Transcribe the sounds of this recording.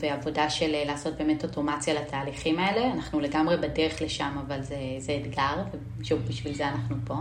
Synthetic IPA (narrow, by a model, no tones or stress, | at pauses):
veavo̞daʃellaːso̞t̚be̞ːme̞to̞to̞mat͡sjalatʰaːliχimaele̞anaχnule̞ɡamʁebadeʁeχleʃamavalzezeːdɡaʁve | ʃuvbiʃvilzeanaχnupo̞